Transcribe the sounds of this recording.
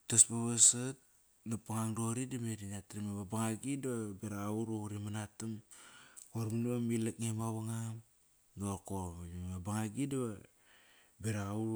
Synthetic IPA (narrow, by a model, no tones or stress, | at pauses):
taspaβasat̚ | napaŋaŋdoɾidamedinatɾimeβabaŋaɡidaβabeɾaauɾoɾimanatam | koɾmuniβamilakŋemaβaŋam | doɾkomabaŋaɡidaβa | beɾaauɾ